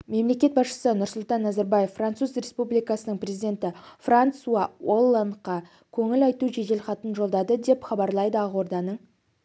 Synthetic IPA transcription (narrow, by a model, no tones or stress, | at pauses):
me̞mle̞kʲe̞t̪bɑsʃə̥sənʊɾsʊlˠt̪ɑnːɑzaɾbɑje̞fːrant̪suzre̞spublijkɑsənəɴprʲe̞zid̪e̞nt̪ɪfrant̪suɑwolˠːanqɑ | kʲʰɵŋɪlɑjt̪uʒeɡ̪e̞lχɑt̪ənʒo̞lˠd̪ɑd̪əd̪e̞pχɑbɑɾlˠɑjd̪əɑʁwo̞ɾd̪ɑnəɴ